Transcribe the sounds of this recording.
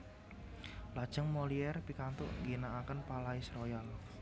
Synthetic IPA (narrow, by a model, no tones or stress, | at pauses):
lad̥ʒ̥ə̤ŋmɔliɛrpikant̪ʊ̰ʔŋɡinaʔːkənpalaisɾojal